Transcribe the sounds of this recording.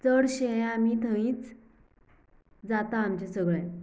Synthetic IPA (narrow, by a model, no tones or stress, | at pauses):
t͡səɽɕeamit̪ʰəĩːt͡s | d͡zat̪ãːmt͡ɕasəɡɭe